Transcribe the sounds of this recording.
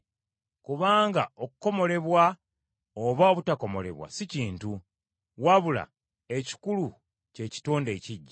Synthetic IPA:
kuβaːŋɡaokuko̞mo̞le̞βwa | oβaoβutako̞mo̞̰le̞̰βwa̰siciːntu | waβula̰ | e̞ci̥kulu | ce̞ːci̥toːnde̞ːciɟːa

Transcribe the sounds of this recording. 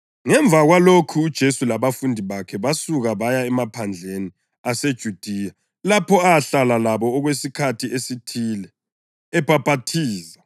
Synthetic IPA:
ŋɛɱb̪vʱaɣwalokʰuːd̥ʒ̥ʱesulaβafundʱiβakʰɛβasuɣaβajaɛmapʰand͡ɮʱeni | ased̥ʒ̥ʱud̥ʱija | lapʰɔaɬalalaβɔːɣwesikʰatʰiesitʰilɛː | pʰʼapʼatʰiːza

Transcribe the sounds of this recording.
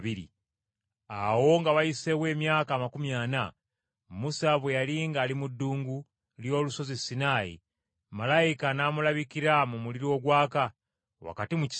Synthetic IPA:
βiɾḭ | awo̞ŋɡaβaiseβwe̞ːmjaːkaːmakumjana | musaβwejaliŋɡaːlimudːuːŋɡu | ljo̞ːluso̞zisinaːḭ | malaikanamulaβikiɾamumuliɾio̞ɡwaːka | wa̰katimuci̥

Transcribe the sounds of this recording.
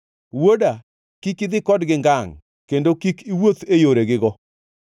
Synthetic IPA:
woda | kikɪd̪ɪkɔdɡɪŋɡaŋ | kendokikiwot̪ejoɾeɡɪɡɔ

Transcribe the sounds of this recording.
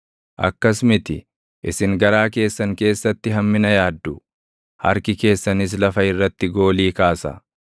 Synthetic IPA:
ʔɐ̰kːɐsmɪt̪ɪ | ʔɪsɪŋɡɐɾaːke̞ːsːɐŋke̞ːsːɐt̪ːɪɦɐmːɪnɐjaːd̪ːʊ | hɐ̰ɾkɪke̞ːsːɐnɪs̬lɐfɐɪrːɐt̪ːɪɡo̞ːliːkaːsɐ̰

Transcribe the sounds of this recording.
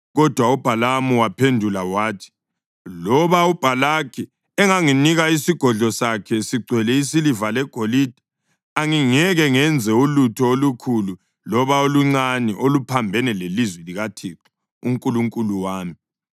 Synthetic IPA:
ɣɔd̥ʱwaub̥ʱalamuwapʰendʱulawaːtʰi̥ | lɔβaub̥ʱalakʰi | ɛŋaŋiniɣaisiɡ̥ʱɔɮɔsakʰɛsiɡ͡ǀʱwɛlɛisilivalɛɡ̥ʱolid̥ʱḁ | aŋiŋɛɣɛŋɛnd͡zʱɛulutʰɔolukʰulu | lɔβaoluŋ͡ǀaniʔolupʰambʱɛnɛlelizwɛliɣatʰiǁɔ̥ | uŋkʼuluŋkʼuluwaːmi

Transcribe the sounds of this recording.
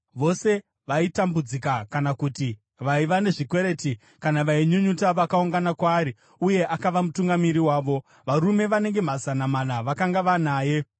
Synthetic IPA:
ʋo̞se̞ | ʋaitambud͡zikakanakuti | ʋaiʋane̞ʐikwe̞ɾe̞ːti | kanaʋaiɲuɲutaʋakauŋɡanakwaːɾi | uje̞ʔakaʋamutuŋɡamiɾiwaːʋo̞ | ʋaɾume̞ʋane̞ŋɡe̞m̤azanaman̤aʋakaŋɡaʋanaːje̞

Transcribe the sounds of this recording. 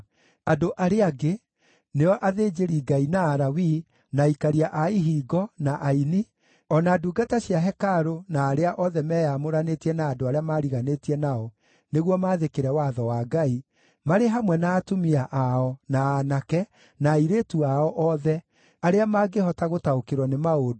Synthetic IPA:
adoʔaɾeaɡe | neɔʔaðeːd͡ʒeɾiɡainaːɾawi | naikaɾiaʔaiɦiːɡɔnaʔaini | ɔnaduːɡataɕjaɦɛkaɾonaːɾeaʔɔðɛmɛːjamoɾanetiɛnaːdoaɾeamaːɾiɣanetiɛnaɔ | neɣwɔmaːðekeɾɛwaðɔwaːɡai | maɾeɦamwɛnaːtomiaʔaɔnaːnakɛ | naiɾetuaɔʔɔðɛ | aɾeamaːɡehɔtaɣotaokeɾwɔnemaodo

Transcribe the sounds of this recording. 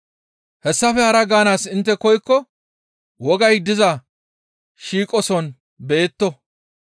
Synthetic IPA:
hɛsːɐfɛhɐɾɐɡaːnaːsɪnt̪ːɛkɔjkːɔ | wɔɡɐjd̪ɪzɐ | ʃiːkʼɔsɔn | be̞ːt̪ːɔ

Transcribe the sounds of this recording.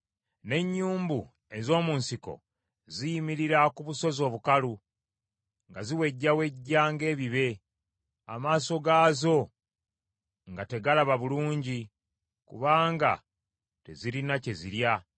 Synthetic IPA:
ne̞ɲːuːmbu | e̞zo̞ːmuːnsiko̞̰ | zijimiɾiɾakuβuso̞zo̞ːβukalu | ŋɡaziwe̞ɟːawe̞ɟːaːŋɡe̞ːβiβe̞ | a̰maːso̞ɡaːzo̞ | ŋɡate̞ɡalaβaβuluːɲɟi | kṵβaːŋɡa̰ | te̞ziɾinace̞ziɾja

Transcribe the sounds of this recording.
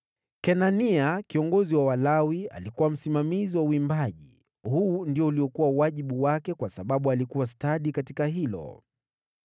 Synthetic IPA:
kɛnaniakiɔŋɡɔziwawalawia̰likuwam̩simamiziwauimbaʄḭ | huːndiɔuliɔkuwawaʄiɓuwakɛkwasaɓaɓualikuwastaɗikatikaɦilɔ̰

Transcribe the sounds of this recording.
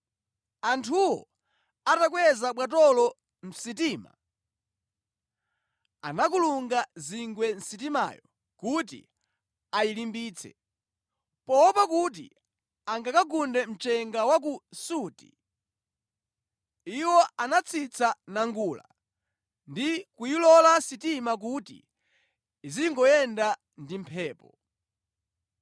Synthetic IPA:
antʰuwɔ̰ | atak̬wɛzaɓwat̬ɔlɔ | m̩sitiːma̰ | a̰nakuluŋɡaziŋɡwɛn̩sit̬ima̰ːjɔ | kut̬ḭ | ajilimbiːt͡sʰɛ̰ | pɔpakut̬ḭ | aŋɡakaɡundɛm̩t͡ʃɛŋɡawak̬usuːti̥̰ | iwɔanat͡sʰit͡sʰanaŋɡula̰ | ndikujilɔlasitimak̬utḭː | ziŋɡɔjɛnda | ndimpʰɛːpɔ

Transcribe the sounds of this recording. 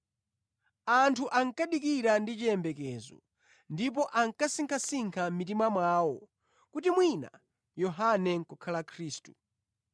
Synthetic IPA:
antʰuʔaŋ̩kaɗikiɾandit͡ʃiɛmbɛkɛːzɔ̰ | ndip̬ɔʔaŋkasiŋkʰasiŋkʰam̩mitimamwaːwɔ | kutimwina̰ | jɔɦanɛŋkɔkʰalakʰɾiːstu̥

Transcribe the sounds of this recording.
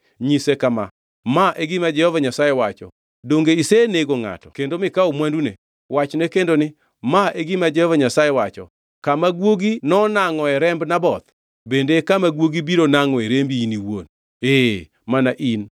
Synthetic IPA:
ɲisekama | maʔeɡimad͡ʒɛhɔvaɲasajewat͡ʃɔ̰ | doŋɡeiseneɡoŋa̰tɔkendomɪkaomwandune | wat͡ʃnekendonɪ | maeɡimad͡ʒɛhɔvaɲasajewat͡ʃɔ̰ | kamaɡwoɡinɔnaŋɔɛɾɛmbnabɔt̪ | bendekamaɡwoɡibiɾonaŋɔeɾembiiniwo̰n | e | manaʔin

